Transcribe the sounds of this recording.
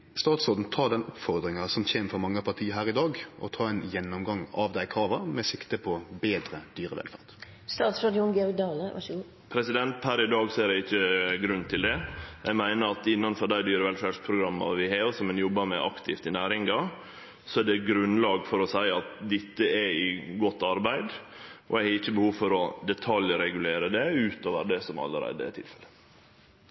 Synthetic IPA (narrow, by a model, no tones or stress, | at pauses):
st̪ɑːt̪soːd̪n̩t̪ʰɑːd̪ɛnʊpːfɔɾd̪ɾɪŋɑsɔmçeːmfɔɾmɑŋːəpʰɑʁt̪ʰiːəɾɦæːɾɪd̪ɑːɡʔɔ̰t̪ʰɑːɛnjɛnːʊmɡɑŋːɑʋd̪æɪkʰɾɑːʋəmɛsɪkt̪əpʰɔbeːd̪ɾəd̪̥yːɾəʋɛ̰lfæ̰ʁd̪̥ | st̪ɑːt̪sɾɑd̪ɪʊnɡɛɔɡd̪ɑːləʋɑ̰ | pʰɾɛsɪd̪ɛnt̪̚pʰæɾɪd̪ɑːɡsɔɛɾɛɪçːəɡɾʉnt̪ʰɪld̪ɛjæɡmæɪnəɾɑt̪ɪnːɑnfɔɖ̪æɪd̪yːɾʋɛlfæɾʂpʰɾʊɡɾɑmːɑ̰ʋɪɦeːsɔmɛnjɔbːɑɾmɛʔɑ̰kt̪ʰɪft̪ɪnæːɾɪŋɡɑ | sɔɛɖɛɡɾʉnlɑːɡfɔɾɔsæɪɑt̪d̪ɪt̪ːəɛɪɡɔt̪ːɑɾbæɪd̪ʔɔɛɪhɑɪçːəbəhuːʋfɔɾɔd̪ɛt̪ʰɑljɾɛɡʉleːɾəd̪ɛʉːt̪oːʋəɾd̪ɛsɔmɑ̰lːə̰ɾæ̰ɪd̪ə̰ɛ̰t̪ʰɪ̰lfɛlə